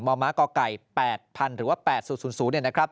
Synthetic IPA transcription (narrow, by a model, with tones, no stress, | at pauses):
mɔː˧maː˦˥kɔː˧ka˨˩jpɛː˨˩t̪̚pʰa˧nɾɯː˩˦waː˥˩pɛː˨˩t̪̚suː˨˩nsuː˩˦nsuː˩˦ni˥˩ən˦˥kɾa˦˥p̚